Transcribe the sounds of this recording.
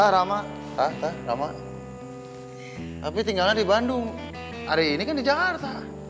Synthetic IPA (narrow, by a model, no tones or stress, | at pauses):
taɾamaʔ | t̪at̪ara̰maʔ | t̪apit̪iŋɡalandibandʊŋ | aɾeinikandid͡ʒaart̪a